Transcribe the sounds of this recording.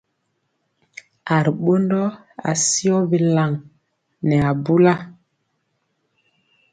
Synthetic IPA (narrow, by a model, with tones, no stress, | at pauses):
a˨ɾɓo˦ndɔ˦ | a̰˨si˦ɔ˦be˨la˨ŋ | nɛ˨a˨bu˦la˦